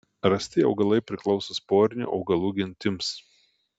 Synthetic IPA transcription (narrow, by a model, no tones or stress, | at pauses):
ɾɐsʲt̪ʲɪɒʊɡɐlˠɐɪpʲɾʲɪklˠɒʊsospoːɾʲɪnʲṵːʔɒ̰ʊɡɐlˠuːɡʲɪnʲt̪ʲɪms